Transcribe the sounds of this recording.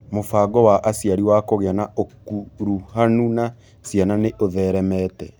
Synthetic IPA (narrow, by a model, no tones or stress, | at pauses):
mofaːɡɔwaʔasiaɾiwakoɣeanaokuɾuhanuna | siananeʔoðɛɾɛmɛtɛ